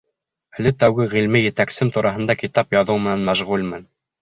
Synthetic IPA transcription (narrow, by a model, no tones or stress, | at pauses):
ælɘt̪æwɡɘʁilmijɘ̆t̪æksɘmt̪uɾʔɑɦɤ̆nd̪ɑkit̪ɑpjɑðɤwmɘ̆nænmæʒʁulmɘn